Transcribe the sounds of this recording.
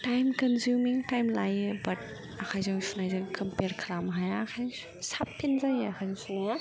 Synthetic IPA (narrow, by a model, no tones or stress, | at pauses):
tajmkɐnzumiŋtajmlajɯbɐt̚ | akʰajzɯŋsunajzɯŋkɐmpeɾkʰɾamɦajaːkʰajzŋ | sapʰːinzajakʰajzɔŋsuŋa